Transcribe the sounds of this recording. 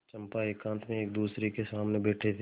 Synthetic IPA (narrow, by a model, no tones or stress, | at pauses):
t͡ʃɐ̃mpaeːkãːnt̪ʰmẽeːk̚d̪uːsɾekesaːmnebɛːʈʰet̪ʰ